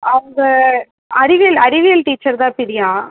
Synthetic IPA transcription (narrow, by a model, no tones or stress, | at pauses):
ʔɐʋɐŋɡɐ | ɐɾɪʋɪjɐlɐɾɪʋɪjɐlʈiːt͡ʃːɐɾðãːpɪɾɪjaː